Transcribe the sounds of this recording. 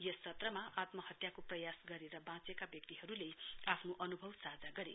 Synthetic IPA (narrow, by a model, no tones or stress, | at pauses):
jʌst͡sʰʌt̪rʌmaat̪mʌɦʌt̪jakoprʌjasɡʌɾeɾʌbãt͡sekabjʌk̚t̪iɦʌɾuleapʰnoʔʌnubʱʌwsad͡zaɡʌɾḛ